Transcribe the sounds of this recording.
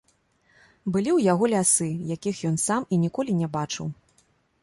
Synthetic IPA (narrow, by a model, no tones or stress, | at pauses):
bɨlʲiwjaɣɔlʲasɨjakʲixjɔnsaminʲikɔlʲinʲɛbat͡ʂɨw